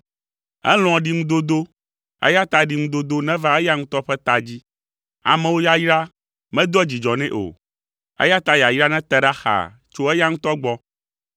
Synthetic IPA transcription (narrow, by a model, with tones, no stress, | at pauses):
ɛ̰˦l̃ɔ̃˨ɖi˦˨ŋũ˦d̪o˦d̪o˦ | ɛ̰˦ja˦t̪a˦ɖi˨ŋũ˦d̪o˦d̪o˦nɛ̃˦va˦ɛ˦ja˦ŋũ˦t̪ɔ˦ɸɛ˦t̪a˨d͡ʑi˦ | a̰˨mɛ̃˦wo˦ja˦ji˦ɾa˦ | mɛ̃˦d̪ɔ˦d͡ʑi˨d͡ʒɔ˨nɛ̰̃˦ʔo̰˨ | ɛ̰˦ja˦t̪a˦ja˨ji˦ɾa˦nɛ̃˦t̪ɛ˦ɖa˦xa̰˨ | t͡ʃo˦ɛ˦ja˦ŋũ˦t̪ɔ˦ɡ͡bɔ˦